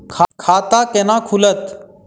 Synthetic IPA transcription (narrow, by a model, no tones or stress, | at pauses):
kʰakʰaːt̪aːkenãːkʰulət̪